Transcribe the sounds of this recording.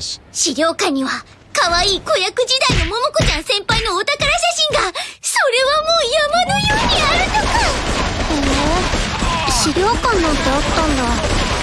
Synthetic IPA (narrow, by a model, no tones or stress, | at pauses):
ɕiɾʲo̞ːkãɲ̟ːiβa | kaβaiːko̞jakɯ̟ʑid̪aino̞mo̞mokot͡ɕãñsẽ̞mpaino̞ːt̪akaɾaɕaɕĩŋɡaso̞ɾe̞βamoːijamanojoːɲ̟iaɾɯ̟t̪okaeno | ɕiɾʲo̞ːkãnːãt̪eot̪ːõnːoa